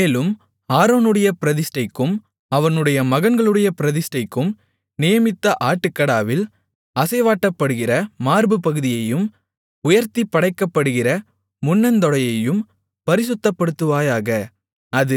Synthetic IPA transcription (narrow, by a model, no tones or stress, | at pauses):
eːlɯm | haːɾoːnɯɽɐjɐpɪɾɐðɪsʈɐɪkːɯm | ɐʋɐnɯɽɐjɐmɐɣɐnɡɐɭɯɽɐjɐpɪɾɐðɪsʈɐɪkːɯm | nɪjɐmɪt̪ːɐʔaːʈːɯkːɐɽaːʋɪl | ɐsɐɪʋaːʈːɐpːɐɽɯɣɪrɐmaːɾbɯpɐɣɯðɪjɐjɯm | ʊjɐɾt̪ipːɐɽɐɪkːɐpːɐɽɯɣɪrɐ | mʊnːɐnd̪ɔɭɐjɐjɯm | pɐɾɪsɯt̪ːɐpːɐɽɯt̪ːɯʋaːjaːɣɐ | ɐðɯ